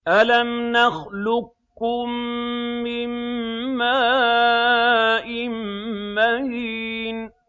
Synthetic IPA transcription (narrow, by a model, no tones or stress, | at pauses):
ʔalamnaxlʊkː | ʊmː | ɪmːaː | ʔɪmmahiːn